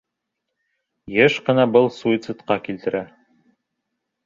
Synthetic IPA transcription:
jɘʃqɤ̆nɑbɤlˠsuit̪sɨt̪qɑkilt̪ɘ̆ɾʔæ

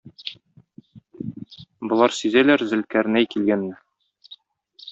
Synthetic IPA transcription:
bŏlˠɑɾsizælæɾzɘ̆lkæɾnæjkilɡænːɘ

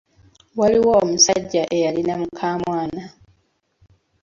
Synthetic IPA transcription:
waliwoːmusaɟːaʔe̞jalinamukʰaːmwaːna

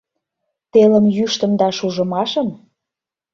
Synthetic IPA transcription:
t̪elə̆mjyʃt̪ə̆md̪ɑʃuʒə̆mɑʃə̆n

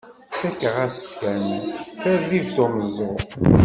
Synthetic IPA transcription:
t͡sːækːəʁæst̪kænθæɾðiðt̪oməzˤːo

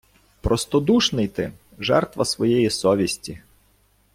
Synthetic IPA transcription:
pɾɔst̪ɔd̪uʃnɪjt̪ɪ | ʒɛrt̪ʋɐsʋɔjɛjisɔʋʲisʲtʲi

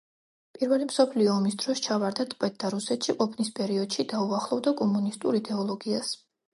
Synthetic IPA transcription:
pʼiɾvɛlimsɔpʰliɔːmisd̪ɾɔst͡ʃʰavaɾd̪at̪ʼqʼɛt̪̚d̪̥aɾusɛt̪ʃiqʼɔpʰnispʼɛɾiɔd̪̥ʃid̪auaχlˠɔvd̪akʼɔmunist̪ʼuɾid̪ɛɔlˠɔɡias

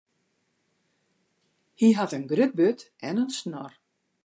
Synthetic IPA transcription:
hiɦaðʏnɡɾʏp̚bʏːt̪ | ɛ̰nœnsnɔɾ̥

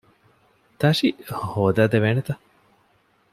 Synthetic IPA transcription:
t̪ɐʂihoːd̪aːd̪eʋeːnet̪ɐ

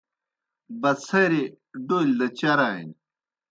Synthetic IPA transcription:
bɐsɐjɾe | ɖoild̪ɐt͡ɕɐɾaːḭn

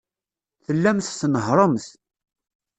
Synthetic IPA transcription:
θəlːæmθθnəɦɾˤəmθ

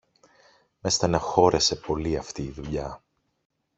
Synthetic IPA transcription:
me̞st̪ɐnɐxo̞ɾe̞se̞po̞liɐft̪iːðuʎɐ

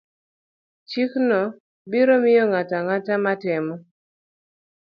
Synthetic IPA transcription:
t͡ʃiknɔ | biɾomɪjɔŋataŋatamatɪmɔ

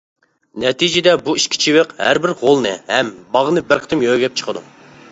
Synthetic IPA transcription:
nɛt̪ʰid͡ʒɪd̪ɛbuiʃkʲʰi̥t͡ʃʰiwɪqhæ̰ɾbɪɾʁolˠnɨ̰hɛmbɑʁənɨbɪɾqʰə̥t̪ʰɪmjøɡʲɛp̚t͡ʃʰə̥qʰəd̪ṵ

